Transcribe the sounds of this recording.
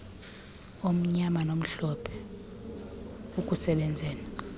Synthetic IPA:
om̩ɲamanom̩ɬɔpʰɛ̥ | uk̬ʼusɛɓɛnd͡zʱɛːna

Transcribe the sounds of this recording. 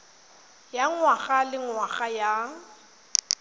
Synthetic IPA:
jaŋwaɣalɪŋwaɣaja

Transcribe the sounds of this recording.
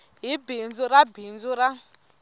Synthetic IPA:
ɦibind͡zɔɾabind͡zuɾa

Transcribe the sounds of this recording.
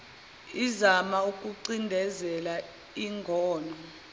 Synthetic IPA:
izamaukʼuǀindʱɛzɛla | iŋɡʱɔːnʱɔ

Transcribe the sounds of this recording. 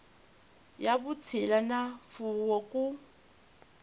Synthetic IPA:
jabut͡sʰɪlanafuwɔkʼu

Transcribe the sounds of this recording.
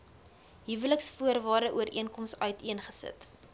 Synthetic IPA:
ɦivələksfuərvɑːrdəʔuəɾʔiənkɔmsœɥtiənχəsə̰t

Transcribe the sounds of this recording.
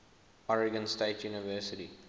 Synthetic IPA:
ɔɹɪɡə̃nsʈeːtʰjuːniʋəːsɪʈi

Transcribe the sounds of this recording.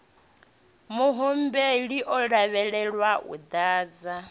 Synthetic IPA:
muɦumbeɺiʔɔɺaβɛɺɛɺwaṵd̪aːd͡za

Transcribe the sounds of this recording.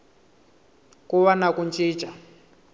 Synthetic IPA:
kuwanakunt͡ʃʼi̥ːt͡ʃʼa

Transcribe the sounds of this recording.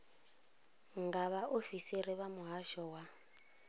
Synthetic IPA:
ŋɡaβaofisiɾiβamuɦaʃɔwa

